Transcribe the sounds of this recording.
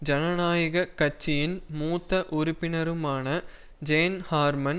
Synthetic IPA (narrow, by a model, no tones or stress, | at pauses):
d͡ʒɐnɐnaːjɐɣɐkɐt͡ʃːɪjɪnmuːt̪ːɐʔʊɾʊpːɪnɐɾɯmaːnɐ | d͡ʒeːnhaːɾmɐn